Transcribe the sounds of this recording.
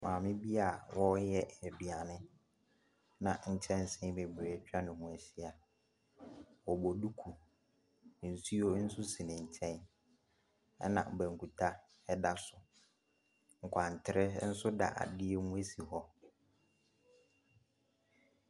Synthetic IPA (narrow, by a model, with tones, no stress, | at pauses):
mãː˨mɪ̃˦bi˦a˦˨wɔ˦jɛ˦˨æ˨bi˨a˨nɪ̃˦ | nã˨ɲ̩˨t͡ɕʰɛ̃˦n˦sɪ̃˦be˨bɾe˨t͡ɕᶣa˦nʊ̃˨hũ˨æ˨ɕɪ˦a˨ | wɔ˨bɔ˨du˦kʰu˨ | n̩˨su˦o˦n̩˦sʊ˦si˨nɪ̃˨ɲ̩˨t͡ɕʰɛ̃˦n | ɛ˦nã̰˨bæ̃˨ŋ˨kʰu˨tʰa˦ | ɛ˦da˦sʊ˨ | ŋ̩˨kʷʰã˨n˨tʰɪ˨ɾɪ˦n̩˦sʊ˦da̰˨ʔa̰˨dɪ˦ɛ˦mũ˦æ˦si˨hɔ˦